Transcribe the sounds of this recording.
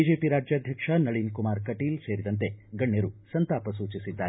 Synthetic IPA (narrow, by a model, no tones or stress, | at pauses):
id͡ʒeːpiɾaːd͡ʒjɐːd̪ʱjɐkʂɐnɐɭinkumaːɾkɐʈiːlseːɾid̪ɐnt̪e̞ɡɐɳːeɾusɐnt̪aːpɐsuːt͡ʃisid̪ːaːɾ